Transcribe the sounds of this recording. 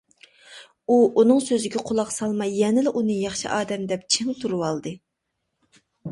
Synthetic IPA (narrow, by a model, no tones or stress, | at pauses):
uʔunɨŋsøzɪɡʲɛqʰolˠɑqsɑlˠmɑjɛnɪlɪʔunɨjɑχʃḭʔɑːd̪ɛmd̪ɛp̚t͡ʃʰɪŋt̪ʰuɾuwɑlˠd̪ɨ